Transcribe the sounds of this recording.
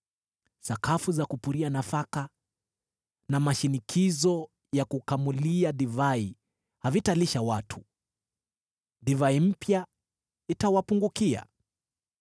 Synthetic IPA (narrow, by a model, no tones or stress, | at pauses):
sakafuzakupuɾianafaka | namaʃinikʰizɔ | jakukamuliadivai | havitaliʃawatʰu̥ | divaim̩pja | itawapuŋɡukia̰